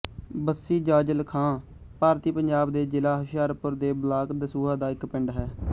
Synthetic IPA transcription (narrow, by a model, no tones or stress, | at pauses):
bəsːiːd͡ʒaːd͡ʒəlkʰãː | paːɾt̪iːpəɲd͡ʒaːbd̪eːd͡ʒɪlaːɦəʃɪjaːɾpʊɾd̪eːblaːkd̪əsuːɦaːd̪aːɪkpɪɳɖɦɛː